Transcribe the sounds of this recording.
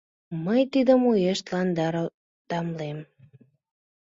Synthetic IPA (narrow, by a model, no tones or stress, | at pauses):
məjt̪id̪əmujeʃt̪lɑnd̪ɑɾo | t̪ɑmlem